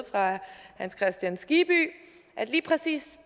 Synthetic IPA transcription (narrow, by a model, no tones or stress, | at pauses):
fʁɑ̈hænskʰʁɛsd̥jænsɡ̥ib̥y̰ː | ʔæd̥liːpʰʁɛsḭːs